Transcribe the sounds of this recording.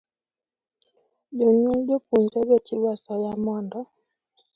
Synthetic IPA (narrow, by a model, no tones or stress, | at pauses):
boɲubopunzɔbɔt͡ʃiwasɔjamɔndɔ